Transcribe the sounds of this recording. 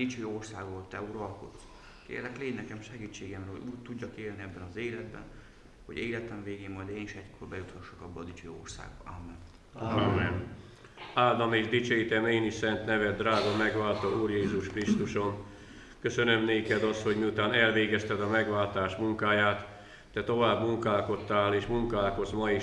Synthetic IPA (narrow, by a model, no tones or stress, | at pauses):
d̪̥it͡ʃøːo̞rsaːɡot̪ːɛuɾɒlkot̪ː | kḛːrlɛkleːdnɛkɛmʃɛɡiːt͡ʃːeːɡɛmrɛɦo̰uːɟt̪uɟːɒkeːlniɛbːɛnɒzeːlɛd̪bɛ̰n | ho̞̰ɟeːlɛt̪ɛɱveːɡeːmːɒjd̪eːniʃɛckorbɛjut̪hɒʃːokɒbːɒ̰d̪it͡ʃø̰ːo̰rsa̰ːɡbɒ̰amːɛ̰n | amːɛn | aːd̪ɒmeːʒd̪it͡ʃøːit̪ɛmeːnisɛnt̪nɛvɛd̪ːraːɡɒmɛɡʋaːlt̪ɒuːrjeːzuʃkrist̪uʃo̞n | kø̞sø̞nø̞mneːkɛd̪ɒst̪ho̞ɟmiut̪aːnɛlveːɡɛst̪ɛd̪ɒmɛɡʋaːlt̪aːʃmuŋkaːjaːt̪ː | ɛt̪o̞vaːbmuŋkaːlko̞t̪ːaːleːʃmuŋkaːlko̞zmɒi